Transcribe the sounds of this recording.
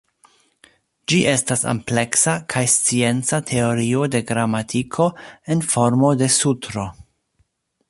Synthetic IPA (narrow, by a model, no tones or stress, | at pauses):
d͡ʒiʔe̞stasa̰mple̞ksakʰajst͡sie̞nt͡satʰe̞o̞ɾio̞de̞ɡɾamatʰikʰo̞e̞nfo̞ɾmo̞de̞sutɾo